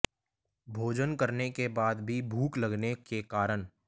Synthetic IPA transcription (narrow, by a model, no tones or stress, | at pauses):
bʱoːd͡ʒənkəɾnekebaːd̪bʱibʱuːklɐɡnekekaːɾən